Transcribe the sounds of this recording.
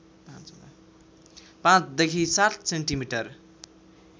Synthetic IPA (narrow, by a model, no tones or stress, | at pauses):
pãt͡s̪a | pãt͡sʰd̪ekʰisat̪seɳʈimiʈʌr